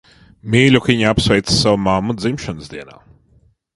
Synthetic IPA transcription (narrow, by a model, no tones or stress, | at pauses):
mʲiːlʲukiɲapsvɛjt̪ssavumamːud̪zimʃanəzd̪iɛna̰ː